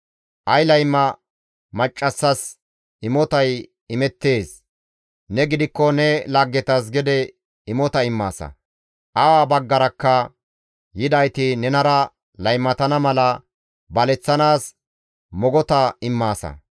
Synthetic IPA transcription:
ʔɐjlɐjmːɐ | mɐt͡ʃʼːɐsːɐs | ɪmɔt̪ɐj | ɪmɛt̪ːe̞ːs | nɛɡɪd̪ɪkːɔnɛlɐɡːɛt̪ɐs̬ɡɛd̪ɛ | ɪmɔt̪ɐɪmːa̰ːsɐ̰ | ʔɐwaːbɐɡːɐɾɐkːɐ | jɪd̪ɐjt̪ɪnɛnɐɾɐ | lɐjmːɐt̪ɐnɐmɐlɐ | bɐlɛt͡sːɐnaːs | mɔɡɔt̪ɐɪmːaːsɐ̰

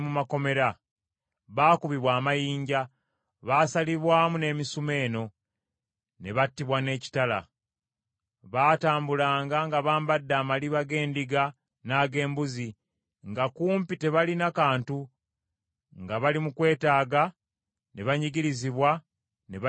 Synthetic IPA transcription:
mumako̞me̞ɾa | βaːkuβiβwaːmajiːɲɟa | βaːsaliβwaːmune̞misume̞ːno̞ | ne̞βatːiβwane̞ːci̥tala̰ | βaːtaːmbulaːŋɡaŋɡaβaːmbadːaːmaliβaɡe̞ːndiɡa | naːɡe̞ːmbuzi | ŋɡakuːmpite̞βalinakaːntu | ŋɡaβalimukwe̞ːtaːɡa | ne̞βaɲiɡiɾiziβwa | neβ

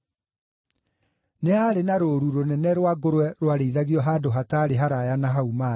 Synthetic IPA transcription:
neaɾenaɾoɾuɾonɛnɛɾwaɡoɾwɛɾwaɾeiðaɣiɔɦaːdoɦataɾeɦaɾajanaɦauma

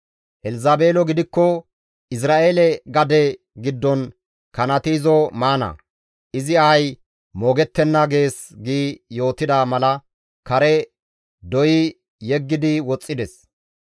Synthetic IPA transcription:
ʔɛlɪzaːbe̞ːlɔɡɪd̪ɪkːɔ | ʔɪs̬ɾaːʔeːlɛɡɐd̪ɛ | ɡɪd̪ːɔn | kɐnɐt̪iːzɔmaːnɐ̰ | ʔɪzɪɐj | moːɡɛt̪ːɛnːɐɡe̞ːsɡiːjo̞ːt̪ɪd̪amɐlɐ | kɐɾɛ | d̪ɔjɪ | jɛɡːɪd̪ɪwɔt͡sʼːɪd̪ɛs

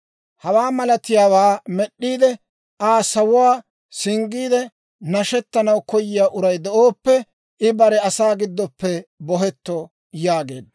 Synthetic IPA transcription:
hɐwaːmɐlɐt̪ɪjaːwaːmɛɗːiːd̪ɛ | ʔaːsɐwʊwaː | sɪŋɡiːd̪ɛ | nɐʃɛt̪ːɐnɐwkɔjɪjaːʔʊɾɐjd̪ɛʔoːpːɛ | ʔɪbɐɾɛɐsaːɡɪd̪ːɔpːɛbɔɦɛt̪ːɔ | jaːɡe̞̰ːd̪ɐ

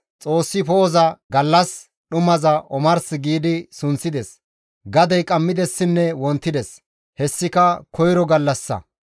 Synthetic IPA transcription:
t͡sʼo̞ːsːɪpoːzɐɡɐlːɐs | ɗʊmɐzɐʔɔmɐɾsɪɡiːd̪ɪsʊnt͡sːɪd̪ɛs | ɡɐd̪ɐjkʼɐmːɪd̪ɛsːɪnːɛwɔnt̪ːɪd̪ɛs | hɛsːɪkɐkɔjɾɔɡɐlːɐsːɐ̰

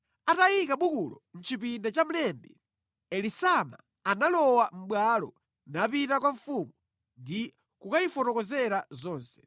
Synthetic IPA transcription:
atajikaɓukulɔ̰n̩t͡ʃipindat͡ʃam̩lɛmbɛ | ɛlisama̰ | analɔwam̩ɓwalɔ̰ | napitakwaɱfuːmu | ndi | kukaifɔtɔkɔzɛɾazɔːnsɛ̥

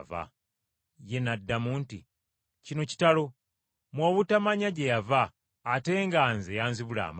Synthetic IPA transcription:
va̰ | je̞nadːamuːntḭ | cino̞ci̥talo̞ | mwoːβutamaɲaɟejavaː | te̞ːŋɡaːnzejaːnziβula̰ːm

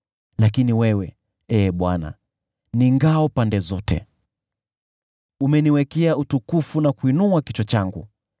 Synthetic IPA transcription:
lakiniwɛwɛ | ɛːɓwana̰ | niŋɡaɔpandɛzɔtɛ̰ | umɛniwɛkɛautukufunakwinuakit͡ʃɔt͡ʃaŋɡṵ

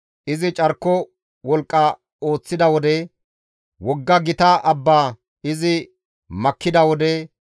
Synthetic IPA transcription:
ʔɪzɪt͡ʃʼɐɾkːɔ | wɔlkʼːɐ | oːt͡sːɪd̪ɐwɔd̪ɛ | wɔɡːɐɡɪt̪aʔɐbːaː | ɪzɪ | mɐkːɪd̪ɐwɔd̪ɛ

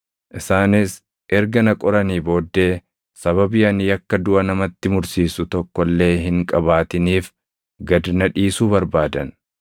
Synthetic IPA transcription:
ʔɪsaːnɪs | ʔɛɾɡɐnɐkʼɔɾɐniːbo̞ːd̪ːe̞ː | sɐβɐbɪjɐnjɐkːɐd̪ʊʔɐnɐmɐt̪ːɪmʊɾsiːsʊt̪ɔkːɔlːe̞ːɦɪŋkʼɐbaːt̪ɪniːf | ɡɐd̪nɐᶑiːsuːbɐɾbaːd̪ɐn

